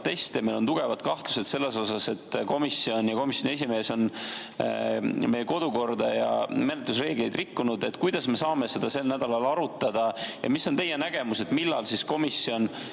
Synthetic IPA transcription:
t̪ːe̞st̪emelont̪uɡ̥e̞vɑd̪kɑht̪luse̞d̪̥se̞lːeso̞sɑse̞t̪ːko̞misːio̞njɑko̞misjonies̬ime̞ːso̞n | mejko̞d̪̥uko̞rd̪ɑjɑ̰menet̪lus̬re̞ːɡ̥le̞jd̪rikːunud̪e̞t̪ːˑkujd̪ɑsme̞sɑːme̞se̞d̪̥ɑse̞lnæd̪̥ɑlɑlɑɾut̪ːˑɑd̪̥ɑjɑ̰misːont̪e̞jenæɡ̥e̞muse̞t̪milːɑ̰lsisko̞misːio̞n

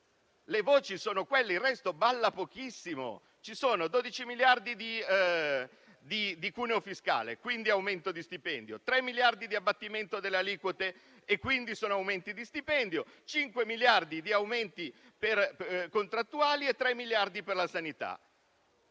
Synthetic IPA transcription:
levoːt͡ʃisoːnokwelːeilrːɛst̪obalːapok̟isːimo̰ | t͡ʃisoːnod̪oːd̪it͡ʃimiljard̪id̪i | d̪id̪ikuːneofiska̰ːlḛkwind̪iawment̪od̪ist̪ipɛnd̪jot̪ɾɛmːiljard̪id̪iabːat̪ːiment̪od̪elːealiːkwot̪e | ekːwind̪isoːnoawment̪id̪ist̪ipɛnd̪jot͡ʃiŋkwemiljard̪id̪iawment̪i | perkont̪ɾat̪ːuaːliet̪ːɾɛmːiljard̪iperlasanit̪a̰

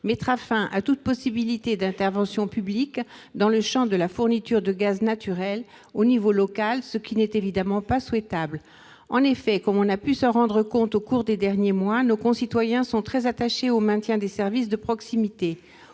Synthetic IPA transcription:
mɛt̪χafɛ̃ʔat̪ut̪̚pɔsibilit̪ed̪ɛ̃t̪ɛʁvɑ̃sjɔ̃pyblikd̪ɑ̃ləʃɑ̃d̪əlafuʁnit̪yʁd̪əɡaznat̪yʁɛl | onivolɔkalsəkʲinɛt̪evid̪amɑ̃paswɛt̪abl | ɑ̃nefɛkɔmɔ̃napysəʁɑ̃d̪ʁəkɔ̃t̪okuʁd̪ed̪ɛʁnjemwanokɔ̃sit̪wajɛ̃sɔ̃t̪χɛzat̪aʃeomɛ̃t̪jɛ̃d̪esɛʁvisd̪əpχɔksimit̪e

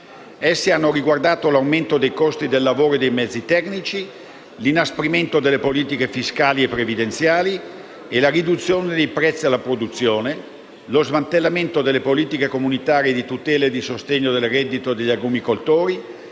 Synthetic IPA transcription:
esːianːoɾiɡward̪aːt̪olawment̪od̪ejkɔst̪id̪elːavoːɾoed̪ejmɛd̪zːit̪ɛknit͡ʃi | linaspɾiment̪od̪elːepoliːt̪ikefiskaːliepːɾevid̪ent̪sjaːli | elarid̪ut̪sːjoːned̪ejpɾɛt̪sːialːapɾod̪ut̪sːjoːne | lozmant̪elːament̪od̪elːepoliːt̪ikekomunit̪aːɾied̪it̪ut̪ɛːled̪isost̪eɲːod̪elrɛd̪ːit̪od̪eʎːaɡumikolt̪oːɾi

